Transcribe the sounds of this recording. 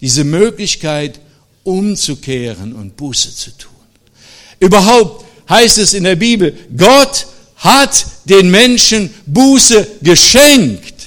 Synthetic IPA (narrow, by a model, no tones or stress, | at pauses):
d̥iːzəmøːklɪçkaɪt | ʔʊmt͡sukʰeːʁənʊnt̚b̥uːsə̥t͡su̥tʰuːn | ʔyːbɐɦaʊp̚t | haɪstɛsɪndeːɐbiːbl̩ɡɔt | hatd̥eːnmɛnʃənbuːsəɡəʃɛŋkt